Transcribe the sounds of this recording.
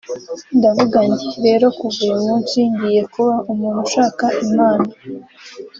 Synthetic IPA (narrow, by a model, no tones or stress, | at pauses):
ndavuɡaɲiɾe̞ːɾo̞kuɡujumunsiːɲdije̞kuβaʔumuːnuʃaːkaʔimaːna